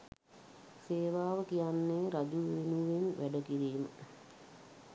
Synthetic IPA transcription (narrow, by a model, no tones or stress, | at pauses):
seːʋaːʋəkijanːeːɾad͡ʒuʋʋenuʋenʋʔæɖəkiɾiːmə̰